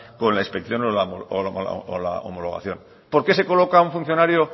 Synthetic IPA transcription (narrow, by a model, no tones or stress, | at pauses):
ko̞nlaĩspek̚θjo̞nolaoo̰o̰la̰o̰molo̞ɣ̞a̰θjo̞n | po̞ɾke̞se̞ko̞lo̞kaũɱfun̟θjo̞naɾjo